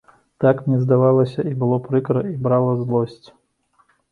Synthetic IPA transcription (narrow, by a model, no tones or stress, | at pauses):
t̪akmnʲɛzd̪avalˠɐsʲɐibɨlˠɔpɾɨkɾɐibɾalˠɐzlˠɔsʲt͡sʲ